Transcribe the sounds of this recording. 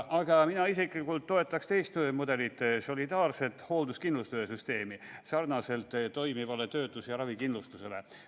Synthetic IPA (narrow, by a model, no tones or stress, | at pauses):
ʔɑɡ̥ɑminɑisiklikult̪ːo̞e̞t̪ːˑɑkst̪e̞jst̪mud̪e̞lit̪ːˑso̞lʲid̪̥ɑːrse̞t̪ːˑho̞ld̪uskinlust̪øːesyst̪e̞ːmisɑrnɑse̞lt̪ːˑt̪ːo̞jmivɑle̞t̪ø̞ːt̪ːˑusjɑɾɑvikinlust̪use̞le